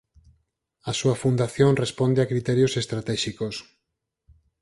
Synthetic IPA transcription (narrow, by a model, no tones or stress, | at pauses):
asuɐfund̪aθjoŋrespond̪eakɾit̪ɛɾjosest̪ɾat̪ɛʃikos